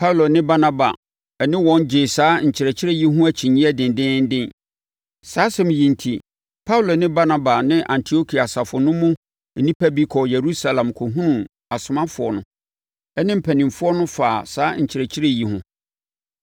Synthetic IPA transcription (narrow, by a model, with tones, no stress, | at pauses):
pʰa˦u˨lo˨nɪ̃˦ba˦na˦ba̰˨ | ɛ˨nɪ̃˦wɔ̃˦nd͡ʑɪ˨saː˦ɲ̩˨t͡ɕʰɪ˨ɾɛ˨t͡ɕʰɪ˦ɾe˦ji˦ɦʊ̃˦æ˨t͡ɕʰĩ˨ɲĩ˦ɛ˦dɪ̃˨n˨dɪ̃˦n̩˦dɪ̃˦n | saː˨˦sɛ̃˨m̃˨jĩ˨n̩˨tʰi˨ | pʰa˦u˨lo˨nɪ̃˦ba˦na˦ba˨nɪ̃˦ʔã˨ntʰi˨o˦kʰi˨a˨sa˨fʊ˨nʊ̃˦mʊ̃˦ | nĩ˦pʰæ˦bi˦kʰɔ˨je˨ɾu˦sa˦lã˨mkʰo˨ɦũ˦nũ˨ | a˨sʊ˨mã˦fʊ˨ɔ˨nʊ̃˨˦ | ɛ˦nɪ̃˦m̩˨pʰæ˨nɪ̃˨mfʊ˦ɔ˦nʊ̃˦faː˨saː˦ɲ̩˨t͡ɕʰɪ˨ɾɛ˨t͡ɕʰi˦ɾe˦˨ji˨ɦʊ̰̃˦